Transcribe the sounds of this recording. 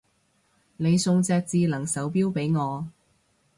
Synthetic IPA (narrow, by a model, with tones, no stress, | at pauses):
ne˨˧jsʊ˧ŋt͡sɛː˧k̚t͡siː˧lɐ˨˩ŋsɐ˨˥wpiː˥wpe˨˥jŋɔː˨˧